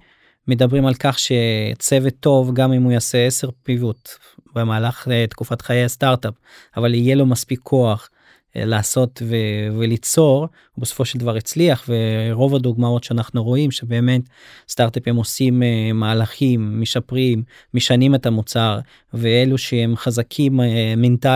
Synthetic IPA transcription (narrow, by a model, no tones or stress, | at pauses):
med̪abʁimalkaχʃe̞t͡se̞vet̪ːo̞vɡamimujaseese̞ʁpivut̪ | bemaːlaχt̪kufat̪χajejast̪aʁtap | avalijelo̞maspikʰːo̞aχ | laːso̞tvevelit͡so̞ʁ | besofo̞ʃeld̪avaʁit͡sliaχveʁo̞vad̪uɡmao̞tʃeanaχnuʁo̞imʃe̞be̞ːme̞t̪ | st̪aʁt̪aphemosimmaːlaχimːeʃapʁimː | eʃanimetamut͡saʁ | veeluʃehemχazakʰimːenta